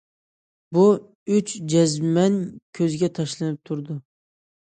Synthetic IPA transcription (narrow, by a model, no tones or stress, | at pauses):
bu | ʊt͡ʃd͡ʒazmænkʲʰɵzɪɡʲɛt̪ʰɑʃlɨnɪp̚t̪ʰʊɾd̪ʊ